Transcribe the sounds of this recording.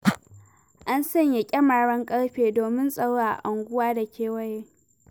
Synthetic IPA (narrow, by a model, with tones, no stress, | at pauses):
ʔa˦nsɐ˦˨ɲja˨kʲʼɐ˦ma˨ɽɐ˦ŋkʼɐ˦ɽɸeː˨doː˨mɪ˦nsʼɐ˦ɽːa˦˨a̰˨ʔa˨ŋɡʷʊ˦waː˦da˨kʲeː˦wɐ˦jeː˦